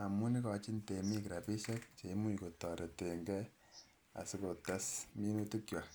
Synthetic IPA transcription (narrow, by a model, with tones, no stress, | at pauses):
a˨mu˦ni˦kɔ˨t͡ʃi˦nte˨mi˦ki˨ɾa˨pi˦ʃɛ˦k̚t͡ʃe˨i˦mu˦ko˨tɔ˨ɾɛ˨te˨ŋɡɛ˦ | a̰˨sɪ˦ko˨ta˦smi˦nu˦tu˦kja˨